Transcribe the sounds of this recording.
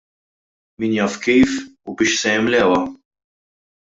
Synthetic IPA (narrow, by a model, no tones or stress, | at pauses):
miːnjɐːfkiːfubɪːʃsɛjɛmlɛːwɐ